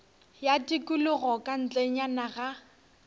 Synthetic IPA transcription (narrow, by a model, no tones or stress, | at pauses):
jatikʼʊlʊɣɔkʼan̩t͡ɬʼeɲ̩anaɣa